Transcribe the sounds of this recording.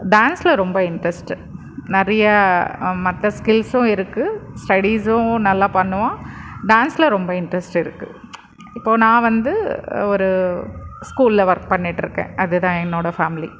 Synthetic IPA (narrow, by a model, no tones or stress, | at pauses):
ɖaːnslɐɾɔmbɐɪɳɖɾɛsʈɯ | nɐɾɐjɐmɐt̪ːɐskɪlsʊ̃ɪɾɯkːɯsʈɐɽisʊ̃nɐlːaːpɐɳːɯʋãːɖaːnslɐɾɔmbɐɪɳɖɾɛsʈɪɾɯkːɯ̰ | ɪpːoːnãːʋɐnd̪ɯɔɾɯ | skuːllɐʋɐɾk̚pɐɳːiʈːɪɾɯkːḛ̃ːɐðɯt̪ãːɛnːoːɽɐfaːmɪlḭ